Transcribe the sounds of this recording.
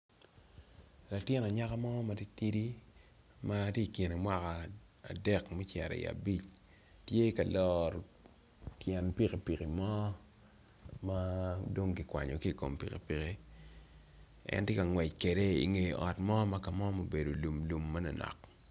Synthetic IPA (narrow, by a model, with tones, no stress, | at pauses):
la˨tɪ˦nɔ˨ɲa˦ka˦mɔ˦ma˨ti˦ti˦di˦ | ma˦ti˦˨ki˨ne˨mwa˦ka˨ | a̰˨dɛ˦kmɛ˦t͡ʃɛ˨ɾɛ̰˨ḭa̰˨bi˦t͡ʃ | tje˦ka˨lɔ˦ɾ | tjɛ˨npi˦ke˨pi˨ki˨mɔ˦ | ma˦do˦ŋkɪ˨kwa̰˨ɲɔ̰˨ki˦˨ko̰˨mpḭ˨ke˨pi˨ke˦ | ɛ̰˦ntje˦ka˨ŋwɛ˨t͡ʃke˨de˦ḭ˨ŋe˨jʔɔ˨tmɔ˦ma˦ka˨mɔ˦mo˨be˨do˨lu˨mlu˨mːa˦nɔ˨nɔ̰˨k